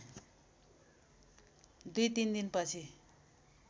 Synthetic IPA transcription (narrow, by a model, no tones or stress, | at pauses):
d̪ujt̪ind̪inpʌt͡sʰi